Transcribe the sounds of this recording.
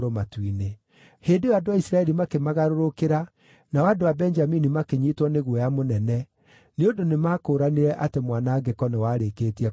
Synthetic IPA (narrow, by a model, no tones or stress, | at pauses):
ɾomatwine | heːndejadowaisɾaɛɾimakemaɣaɾoɾokeɾa | nawadowabɛnd͡ʒaminimakeɲitwɔneɣwɛjamonɛnɛ | neondonemaːkoːɾaneɾɛʔatemwanaːɡekɔnɛwaːɾekeːtiɛ